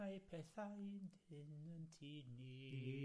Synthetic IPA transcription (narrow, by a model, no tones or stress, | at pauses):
ajpʰɛθajndɪnəntʰini